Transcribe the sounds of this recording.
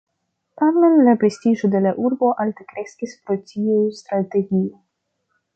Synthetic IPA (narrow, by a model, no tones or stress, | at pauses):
tamenlapɾe̞stiʒod̪e̞laʔuɾbo̞ʔaltekɾe̞skʲispɾo̞tiust̪ɾate̞ɡʲio